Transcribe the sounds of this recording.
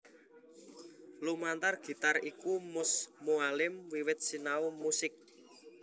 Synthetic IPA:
lumant̪arɡ̥i̤t̪arikumʊsmualɪmwiwɪt̪̚sinaumusɪk̚

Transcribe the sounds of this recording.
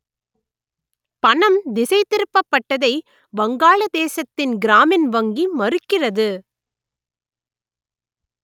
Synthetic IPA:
pɐɳɐmd̪ɪsɐɪt̪ːɪɾɯpːɐpːɐʈːɐðɐɪ | bɐŋɡaːɭɐd̪eːsɐt̪ːɪnɡɪɾaːmɪnʋɐŋɡimɐrɯkːɪrɐðɯ

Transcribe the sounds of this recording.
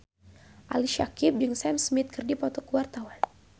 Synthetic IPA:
ʔa̰liʃakip̚d͡ʒɨŋsɛmsmit̪̚kɨrdipɔt̪ɔkuwart̪awan

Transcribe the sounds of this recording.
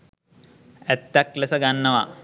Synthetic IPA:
æt̪ːaklesəɡanːəʋa

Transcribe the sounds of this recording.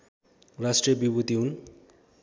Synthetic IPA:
rasʈrijʌbibut̪iɦun

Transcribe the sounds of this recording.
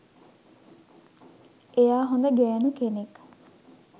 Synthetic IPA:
ʔejaːɦond̪əɡɛːnukenek

